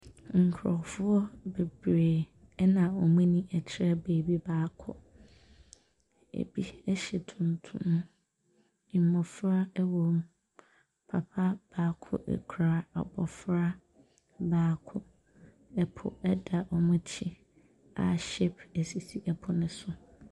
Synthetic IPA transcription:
ŋ̩˨kʰɾɔ˨fʊ˦ɔ˦be˨bɾe˨ | ɛ˦nã˨wɔ˨mũ˦nĩ˦ʔɛ˨t͡ɕʰɪ˦ɾɛ˦beː˨bi˦baː˦kʰʊ̰˦ | ḛ˨bi˦ɛ˦ɕɛ˨tʰũ˨n˨tʰũ˦m̃˦ | i˨mɔ̃˨fɾa˦ɛ˦wɔ˨m | pʰa˨pʰa˦b̥aː˦kʰʊ̰˦˨ʔɛ̰˨kʰu˨ɾa˨a̰˨bɔ˨fɾa˦ | baː˦kʰʊ˦ | ɛ˦pʰʊ̰˨ɛ˦da˨ʔɔ˨mʊ̃˦t͡ɕʰi˦ | a̰˨ɕe˦pɛ˨si˨si˦ʔɛ˨pʰʊ˦nʊ̃˦sʊ˨

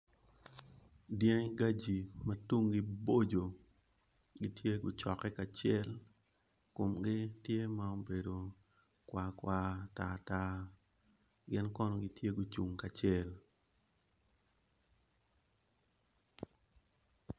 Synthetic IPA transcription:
djɛ˦ŋɡa˦d͡ʒi˨mɐ˦tu˦ŋɡɪ˦bo˦d͡ʒo˨ | ɡɪ˦tʰje˦ɡʊ˨t͡ʃɔ˨kɛ˦ka˨t͡ʃɪɛ˦l | kʊ˨mɡɪ˦tje˦ma˦o˦be˨do˨ | kwa˨kwa˨ta˦˨ta˦ | ɡɪ˦nkɔ˦nɔ˦ɡɪ˦tje˦ɡʊ˨t͡ʃu˨ŋka˨t͡ʃɛ˦l

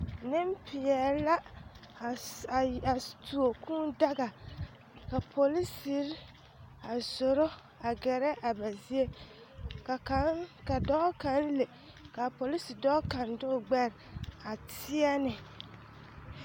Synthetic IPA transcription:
nɪ˦m˦pʰɪ˨jɛ˨ɾla˦˨ | a˨tu˨o˨kʰũː˦da˦ɡa˨ | ka˨pʰo˨li˦si˨˦ɾ | a˨so˨ɾo˦ | a˨ɡɛ˨ɾɛ˦ʔa˨ba˨zi˦e˦ | ka˨kka˨dɔ˦ka˨˦n˦le˨ | ka˨po˨li˦si˨dɔ˦ka˨ndʊ˦˨ɡ͡bɛ˦ɾɪ˨a˨tʰɪ˦ɛ˦nɪ˨

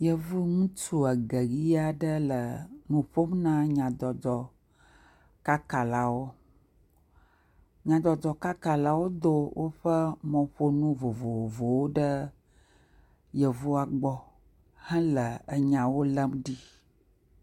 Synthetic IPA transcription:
jə˦vu˦ŋũ˦t͡ʃu˦a˨ɡə˨ɣi˦a˨ɖə˦lə˨nũ˨ɸo˦mnã˦ɲã˨d̪ɔ˨d̪ɔ˨ | ka˦ka˨la˨wo˦ | ɲã˨d̪ɔ˨d̪ɔ˨ka˦ka˨la˨wo˦d̪o˦wʔo˦ɸə˦mɔ̃˨ɸo˦nũ˦vo˨vo˨o˨vo˨wo˦ɖə˦ | jə˨vu˦a˨ɡ͡bɔ˦ | hɛ̃˦lə˨ə˨ɲã˨wo˦lə˦mɖi˦

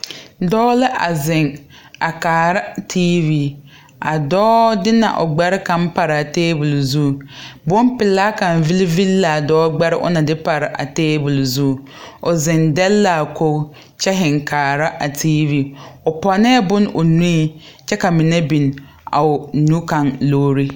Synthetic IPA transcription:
dɔː˦lɪ˦ʔa̰˨zɪ˨ŋ | a˨kaː˨ɾa˦tʰiː˦vi˦ | a˨dɔː˦dɪ˦na̰˨ʔʊ̰˨ɡ͡bɛ˦ɾɪ˦ka˨m˦pa˨ɾa˨teː˦bʊ˨lzu˦˨bʊ˦m˦pɪ˨laː˦ka˨n˨vi˦lɪ˦vi˦lːa˨dɔː˦ɡ͡bɛ˦ɾɪ˦ʔʊ̰˦na˨dɪ˦pa˨ɾɪ˨ʔa̰˨teː˦bʊ˨lzu˦˨ | ʊ˨zɪ˨ndɛ˦lːa˨ko˦ | t͡ʃɛ˦ɦɪ˨ŋkʰaː˨ɾa˦ʔa˨tʰiː˦vi˦˨ʊ˨pɔ˨nɛ˦bʊ˦nʊ˨nu˦i˦ | t͡ʃɛ˦ka˨mɪ˨nɛ˦bi˨n | a̰˨ʊ˨nu˦ka˨ŋloː˦ɾi˦

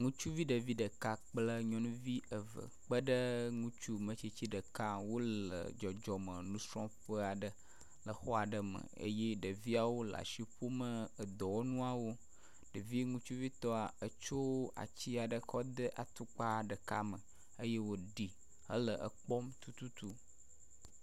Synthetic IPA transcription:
ŋũ˦t͡ʃu˦vi˦ɖə˨vi˦ɖə˨ka˦k͡plə˦ɲɔ̃˦nũ˦vi˦ə˨və̰˨k͡pə˦ɖə˦ŋũ˦t͡ʃu˦mə̃˨t͡ʃi˨t͡ɕi˦ɖə˨ka˦wo˦lə̰˨d͡ʒɔ˨d͡ʒɔ˨mə̃˨nũ˦sɾɔ̃˦ɸə˦a˨ɖə˨ | lə˨xɔ˦a˨ɖə˨mə̰˨ə̰˦je˦ɖə˨vi˦a˨wo˦la̰˨ʃi˦ɸo˦mə˦ə˨d̪ɔ˨wo˦nũ˦a˨wo˦ | ɖə˨vi˦ŋũ˦t͡ʃu˦vi˦t̪ɔ˦a˨ə˦t͡ʃo˦wa̰˨t͡ɕi˦a˨ɖə˨xɔ˦d̪ə˦ʔa̰˨t̪u˦k͡pa˦ɖə˨ka̰˦mə̃˨ | ə˦je˦wo˦ɖi˨ | hə̰˦lə˨ʔə̰˦k͡pɔ˦mt̪u˦t̪u˦t̪u˦

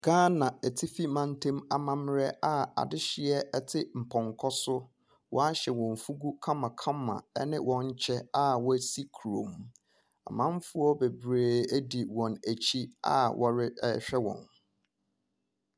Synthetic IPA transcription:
ɡ̥ãː˦nã˨æ˨tʰi˦fi˦mã˦n˦tʰẽ˦ma˨mã˦m˦ɾɛ˦a˦a̰˨dɪ˦ɕɪ˦ɛ˦ɛ˦tʰɪ˦m̩˨pʰɔ̃˨ŋkʰɔ˦sʊ˦ | wʔɔ̰˦a˦ɕɛ˨wɔ̃˨ɱ˨fu˦ɡu˦kʰã˦mã˨kʰã˦mːã̰˨ɛ˦nɪ̃˦wʔɔ̃˦ɲ̩˦t͡ɕʰɛ˦a˦wɔ˦æ˦si˦kʰu˨ɾõ̰˨m | a̰˨mã˦m˦fʊ˦ɔ˦be˨bɾeː˨æ˦di˨wɔ̃˨næ˨t͡ɕʰi˦a̰˦wʔɔ̰˨ɾɪ˦ɕᶣɛ˦wɔ̰̃˨n

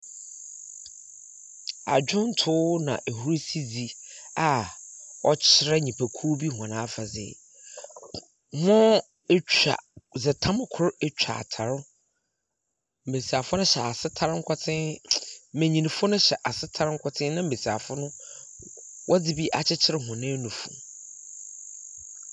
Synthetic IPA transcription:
a̰˨d͡ʑᶣʊ̃˦n̩˦tʰʊː˦nã̰˨ʔe˨hu˦ɾi˦si˦d͡zi˨a˨ | ɔ˦t͡ɕʰɪ˦ɾɛ˦ɲĩ˨pʰæ˨kʰu˦bi˦hã˨nãː˦fa˨zɪ̰˨ | mɔ̃˦ | t͡ɕʰᶣa̰˨zɪ˨tʰã˦m˨kʰʊ˦ɾɛ˦t͡ɕᶣa̰˨a̰˨tʰa˨ɾʊ˦ | m̩˨be˨si˨a˨fʊ˦nʊ̃˦ɕɛ˨a˨sɪ˦tʰa˦ɾɪ˦ŋ̩˦kʰɔ˦tʰɪ̃˦ | mẽ˨ɲĩ˨nĩ˨fʊ˦nʊ̃˦ɕɛ˨ʔa˨sɪ˦tʰa˦ɾɪ˦ŋ̩˦kʰɔ˨tʰɪ̃˦nã˦m̩˦˨e˨si˨a˨fʊ˦nʊ̃˦ | wʔɔ˦d͡zɪ˦bi˦ʔa˨t͡ɕʰɪ˦t͡ɕʰɪ˦ɾɪ˦ɦʊ̃˨nɪ̃˦nũ˨fṵ̃˨

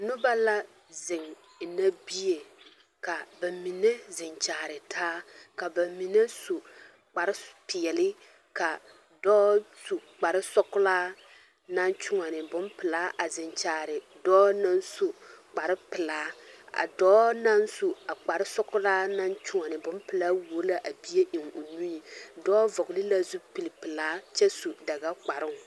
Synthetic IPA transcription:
nʊ˦ba˦la˦ | zɪ˨ŋ˨ | na˦bi˦je˨ | ka˨ba˨mi˨ne˦zɪ˨nt͡ʃaː˨ɾɪ˨tʰaː˦ka˨ba˨mi˨ne˦su˨ | k͡pa˨ɾɪ˦pɪ˨ɛ˨lɪ˦ | ka˨ | dɔː˦su˨k͡pa˨ɾɪ˦sɔ˦kʊ˦laː˦ | na˦nt͡ʃʊ˦ŋa˨nɪ˨bʊ˦mpɪ˨laː˦ʔa˨zɪ˨nt͡ʃaː˨ɾɪ˨ | dɔː˦na˦n˦su˨k͡pa˨ɾɪ˦pɪ˨laː˨˦a̰˨dɔː˦na˦nsu˨a˨k͡pa˨ɾɪ˦sɔ˦kʊ˦laː˦na˦nt͡ʃʊ˦ŋa˨nɪ˨bʊ˦mpɨ˨la˦wo˨˦la˨ʔa˨bi˦je˦ʔɪ˨ŋo˨nu˦ji˨dɔː˦vɔ˨ɡʊ˨lɪ˦la˦zu˦pi˨lɪ˨pɨ˨laː˦t͡ʃɛ˦su˨da˨ɡa˦k͡pa˨ɾɪ˦ŋ˨

